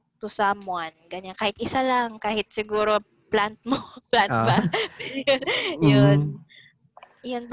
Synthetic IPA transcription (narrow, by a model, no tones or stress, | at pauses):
t̪ʊsamʊanɡɐɲankaːhɪt̪̚ʔɪsalɐŋkaːhɪt̪̚sɪɡuːɾo̞ | plant̪̚moplanbɐpɛjojon | jonb